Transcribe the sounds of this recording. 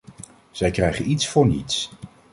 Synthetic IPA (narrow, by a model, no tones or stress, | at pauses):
z̥ɛjkrɛjχənitsfʊːɹnḭts